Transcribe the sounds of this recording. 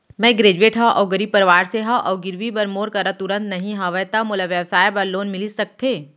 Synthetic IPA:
mɛ̃ɡɾeːd͡ʒueːʈɦaʔɔːɡəɾipɐɾʋaːɾseɦaʔɔːɡɪɾʋibɐɾmoːɾkɐɾat̪ʊɾə̃nt̪nɐɦĩɦɐʋəjt̪amʊlaʋjəʋsaːjbɐɾloːnmɪlisɐk̚t̪ʰeː

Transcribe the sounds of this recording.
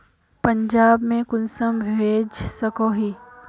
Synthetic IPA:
pɐ̃ɲd͡ʒaːbmẽkʊnsəmbʱeːd͡ʒsɐkoɦiː

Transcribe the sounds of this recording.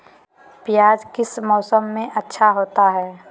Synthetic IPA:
pɪjaːd͡ʒkɪsmɔːsəmːẽʔɐtːʃʰaɦoːt̪aɦɛː

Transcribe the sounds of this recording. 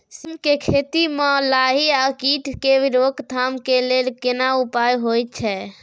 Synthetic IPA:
simkekʰeːt̪imɔ̃laɦiakiʈʰkeʋiɾokt̪ʰaːmkeleːlkɪnaupajɦojt̪̚t͡ʃʰɛ

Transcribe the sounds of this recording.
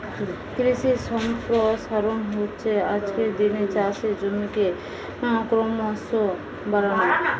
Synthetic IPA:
kɾisisɔmpɾɔsaɾonɦoɕʰead͡ʑked̪inet͡ʃasʰed͡ʑomike | nãkɾɔmaso | baɾana

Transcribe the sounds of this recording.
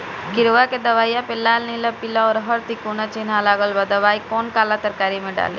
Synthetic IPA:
kɪɾʋaked̪ɐʋaːjapelːaːlnilapɪlaɔːɾɦɐɾt̪ikoːnat͡ʃeːnalaːɡəlʋad̪ɐʋaːikɔːnkaːlat̪əɾkaːɾimẽɖa̰ːlḛ

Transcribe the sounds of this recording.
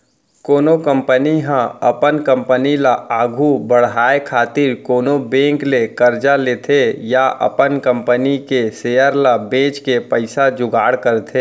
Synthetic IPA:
koːnokə̃mpəniɦãɐpənkə̃mpənilaaːɡʱubəɽ̤ɦaːekʰaːt̪ɪɾkoːnobẽːŋklekəɾd͡ʒaleːt̪ʰejaʔə̰pənkə̃mpənikeseːjəɾlabẽːt͡ʃkepəɪsad͡ʒʊɡaːɽkəɾt̪ʰeː

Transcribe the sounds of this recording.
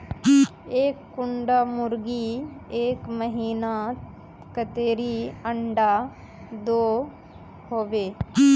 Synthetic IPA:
eːkːʊɳɖamʊɾɡieːkməɦiːna | kət̪eːɾiəɳɖa | d̪oː | hoːʋeː

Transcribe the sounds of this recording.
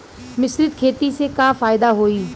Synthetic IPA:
mɪsɾɪd̪̚kʰeːt̪iːsekãːfaːɪd̪aːɦoːiː

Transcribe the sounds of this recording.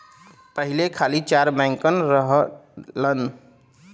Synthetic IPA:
pəɦilekʰalit͡ʃaɾbɛ̃ŋkənɾəɦlən

